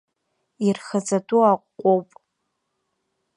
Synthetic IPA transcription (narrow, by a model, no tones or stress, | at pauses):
irxad͡zaduaqʷːʼowpʼ